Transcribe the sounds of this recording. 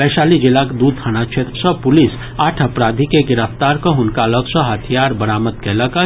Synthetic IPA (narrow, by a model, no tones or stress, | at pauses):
bɛːʃaːlid͡ʒɪlːakd̪uːd̪ʰanat͡ʃʰeːt̪ɾəsəpʊlis | aːʈʰəpɾaːd̪ʱikeɡɪɾəft̪aːɾkõɦʊnkaləksəɦət̪ʰijaːɾbəɾaːmət̪̚kɛləka